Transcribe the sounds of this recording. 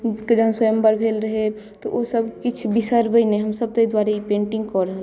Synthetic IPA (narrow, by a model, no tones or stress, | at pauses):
kd͡ʒəɦãswəjəmbəɾbʱelɾəɦe | t̪ɔʔosəbkit͡ʃʰbisəɾbəɪneɦəmsəb̚t̪əjd̪waɾeipẽɳʈĩŋɡkɔɾəɦəl